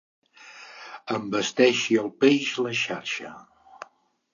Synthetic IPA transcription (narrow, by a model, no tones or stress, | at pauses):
əmbəst̪ɛʃiəlˠpeʒləʃarʃə̰